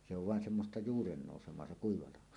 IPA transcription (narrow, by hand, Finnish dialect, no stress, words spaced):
se oʋ ʋɑˑen semːostɑ juːrenːoˑusemˑoɑ se kuiʋɑ lɑho